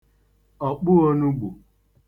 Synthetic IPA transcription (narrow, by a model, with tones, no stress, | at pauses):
ɔ˨k͡pʊ˦o˦nu˦ɡ͡bṵ˨